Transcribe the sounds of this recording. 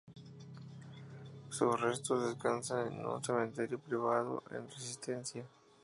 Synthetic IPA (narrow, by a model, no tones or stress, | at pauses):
susrest̪ozðeskansanḛnṵnsemẽnt̪eɾjopɾiβ̞aðo̰ʔḛnresist̪ensja